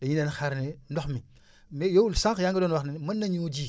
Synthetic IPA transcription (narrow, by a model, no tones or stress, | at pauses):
eɲinanxaɾnendoxmi | mejowulsãŋkjaŋɡədonwaxnimənːaɲud͡ʒi